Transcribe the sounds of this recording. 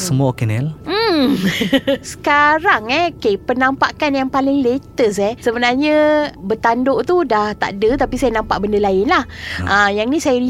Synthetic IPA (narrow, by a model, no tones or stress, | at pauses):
səmuaokenɛlm̩ | sə̥kaɾaŋɛkepənampa̰ʔkanjaŋpalɪŋlet̪əs̬ɛsəbənarɲə̃bət̪andoʔt̪udaht̪a̰ʔdət̪apisajanampaʔbəndəlaɪnlahʔəjaŋnĩsajai